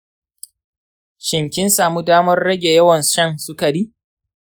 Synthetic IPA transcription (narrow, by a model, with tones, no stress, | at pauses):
ʃɪ˨mkʲɪ˦nsaː˨muː˦daː˦mɐ˦rːɐ˦ɡʲe˨jɐ˦wɐ˨nʃɐ˦ŋsʊ˦kɐ˨ɽiː˦